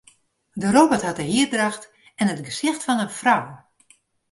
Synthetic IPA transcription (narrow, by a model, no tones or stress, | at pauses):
dəroːbəɹthɑt̚əɦɪərdrɑxt | ɛnətɡəsɪxtfɑnənfraw